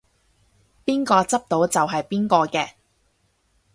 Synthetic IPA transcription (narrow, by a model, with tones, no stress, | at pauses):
piː˥nkɔː˧t͡sɐ˥p̚t̪o˨˥wt͡sɐ˨wɦɐ˨jpiː˥nkɔː˧kɛː˧